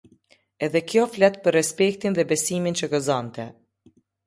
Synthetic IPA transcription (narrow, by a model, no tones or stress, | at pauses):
ɛðɛkjɔflɛt̪pəɾːɛspɛkt̪inðɛbɛsimint͡ʃəkəzɔnt̪ɛ̰